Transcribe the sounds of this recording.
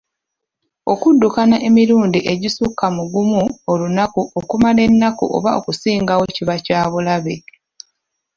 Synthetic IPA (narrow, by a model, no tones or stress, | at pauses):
o̞kudːukanaʔe̞miɾuːndiʔe̞ɟisukːamuɡumuolunakuokumale̞nːakṵʔo̰βao̞̰kusiːŋɡaweciβacaːβulaβe